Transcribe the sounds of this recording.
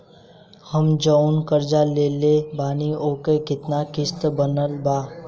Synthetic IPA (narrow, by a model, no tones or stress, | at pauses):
həmd͡ʒəʊnkəɾd͡ʒaleːlebaːnioːkekɪt̪nakɪst̪bənəlbaː